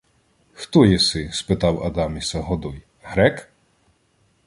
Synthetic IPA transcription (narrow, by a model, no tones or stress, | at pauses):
xt̪ɔjɛsɪspɪt̪ɑwɐ̰d̪ɑmʲisɐɦɔd̪ɔj | ɦɾɛk